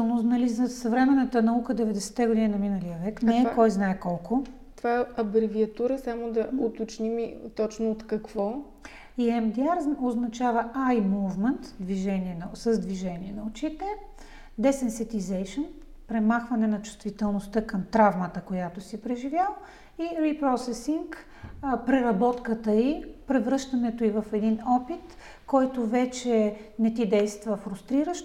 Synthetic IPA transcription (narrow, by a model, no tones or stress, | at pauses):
nonɐlizɐsɐvɾɛmɛnət̪ənɐukəd̪ɛvɛd̪ɛsɛ̥t̪ɛɡod̪inʲinɐminɐlijəvɛknɛakɔjznaɛkɔlˠko | t̪ovaɛɐbɾɛviɐt̪uɾəsamod̪ɐʊt̪ot͡ʃnimit̪ɔt͡ʃnoːt̪kɐkvɔ | iɛmd̪iaɾznoznɐt͡ʃavəajmuvmɛnt̪d̪viʒɛniɛnɐsəzd̪viʒɛniɛnɐot͡ʃit̪ɛ | d̪ɛsɛnsɛt̪izɛjʃən | pɾɛmaxvɐnɛnɐt͡ʃʊ̥st̪vit̪ɛlˠnost̪əkəmt̪ɾavmət̪əkojat̪osipɾɛʒivʲjalˠ | iɾipɾɔsɛsiŋk | pɾɛɾɐbɔt̪kət̪əipɾɛvɾɤʃt̪ɐnɛt̪oivəfɛd̪inɔpit̪ | kɔjt̪ovɛt͡ʃɛnɛt̪id̪ɛjst̪vəfɾust̪ɾiɾəʃ